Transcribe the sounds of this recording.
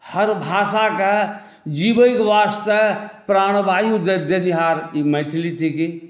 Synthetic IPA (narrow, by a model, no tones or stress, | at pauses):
hɐɾbʱaːsaka | d͡ʒiːbəjkʋaːst̪əpɾaːɽ̃baːjud̪ɐd̪ʱjɐniɦaːɾimɐjt̪ʰlit̪ʰiki